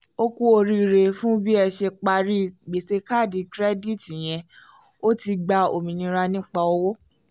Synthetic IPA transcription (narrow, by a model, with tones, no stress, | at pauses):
o˦kũ˦o˧ɾi˧˨ɾe˧fũ˦bi˦ɛ˧ʃe˧k͡pa˧ɾi˦˨ɡ͡be˨se˧ka˦˨di˧kɾɛ˦di˦˨ti˨j̃ɛ̃˧ | o˦ti˧ɡ͡ba˧o˨mĩ˨nĩ˧ɾa˧nĩ˦k͡pa˧o˧wo˦